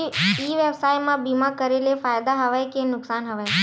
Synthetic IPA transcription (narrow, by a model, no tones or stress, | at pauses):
iːʋebsaːjmãbimãkəɾelefaːjd̪aɦɐʋajkenʊksaːnɦəʋae